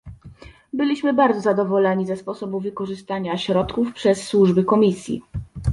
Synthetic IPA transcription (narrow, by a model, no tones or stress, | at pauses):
bɘlʲiɕmɘbaɾd̪zɔzad̪ɔvɔlɛɲizɛspɔsɔbuvɘkɔʐɘst̪aɲaɕɾɔt̪kufpʂɛsːwuʐbɘkɔmʲisʲjḭ